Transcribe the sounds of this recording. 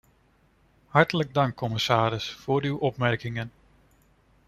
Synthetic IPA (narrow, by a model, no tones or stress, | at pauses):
hɑɹtələɡ̚dɑŋkʰːɔmɪsaːɾəsfoːɾywɔpmɛrkɪŋən